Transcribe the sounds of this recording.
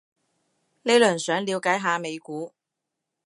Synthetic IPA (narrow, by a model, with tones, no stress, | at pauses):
le˨˥jlɵː˨˩nsœː˨˥ŋliː˨˧wkaː˨˥jɦaː˨˧me˨˧jkuː˨˥